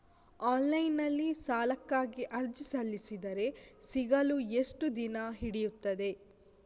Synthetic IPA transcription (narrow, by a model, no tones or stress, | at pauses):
aːnlɐjnːɐlːisaːlɐkːaːɡiʔɐɾd͡ʒisɐlːisid̪ɐɾe̞siɡɐlueʂʈud̪inɐɦiɽijut̪ːɐd̪e̞